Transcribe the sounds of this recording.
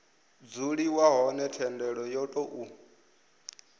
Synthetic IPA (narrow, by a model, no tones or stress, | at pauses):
d͡zuɺiwaɦɔnɛtʰɛndɛɺɔjɔtʼɔʔu